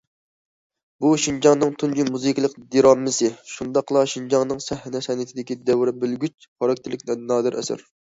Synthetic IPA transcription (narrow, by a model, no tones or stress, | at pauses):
buʃind͡ʒɑŋnɨŋt̪ʰund͡ʒimuzɨkʲlˠəqd̪iɾɑmːɪsɨʃund̪ɑqlˠɑʃind͡ʒɑŋnɨŋsɛhɪnɛsɛnɪt̪ʰɪd̪ɪkʲid̪ɛwɾɪbylɡʲyt͡ʃ | χʰɑɾɑk̚ʲt̪ʰɪlɪkʲnɛnːɑːd̪ɨɾʔɛ̰sɪ̰ɾ